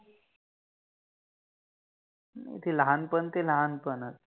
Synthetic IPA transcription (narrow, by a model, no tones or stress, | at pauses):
n̰t̪ʰeləɦanpənt̪eləɦanpənət̪